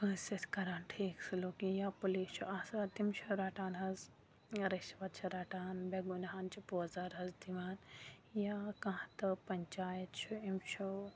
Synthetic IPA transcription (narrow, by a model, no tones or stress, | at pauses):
pəːset̪ʰkɐɾaːnʈʰiːksuloːkĩjaːpulit͡ʃʰuʔaːsat̪imt͡ʃʰuɾaːʈaːnɦɐz | ɾiʃʋɐt̪̚t͡ʃʰuɾaːʈaːnbeɡunɦaːnt͡ʃʰupoːzaɾɦɐzd̪iʋaːnjakɐ̃ɦt̪ɐpɐɲt͡ʃaːjɐt̪t͡ʃʰuimt͡ʃʰu